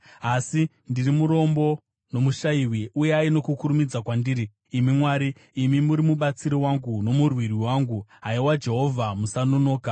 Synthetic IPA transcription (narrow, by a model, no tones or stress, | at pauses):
asi | ndirimuɾo̞mbo̞ | no̞muʃaiwiʔujeaino̞kukuɾumid͡zakwandiːɾiː | mimwaːɾiː | mimuɾimuɓat͡siɾiwaŋɡuno̞murwiriwaːŋɡuɦaiwad͡ʒe̞ɦo̞vʱamusano̞no̞ːka